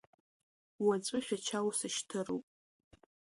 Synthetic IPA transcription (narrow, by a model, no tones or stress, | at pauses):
wat͡sʷʼɨχʲᶣat͡ʃʰawsɨʃtʰɨro̰wpʼ